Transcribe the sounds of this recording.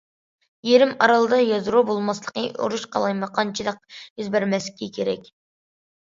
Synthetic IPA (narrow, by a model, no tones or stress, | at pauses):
jeɾɪmɑɾɑlˠɨd̪ɑjɑzɾubolˠmɑslˠəqəo̰ɾuʃqʰɑ̰lˠɑjmɨqʰɑnt͡ʃʰid̪ˠəq̚izbæɾmɛskʲikʲʰeɾɛkʲ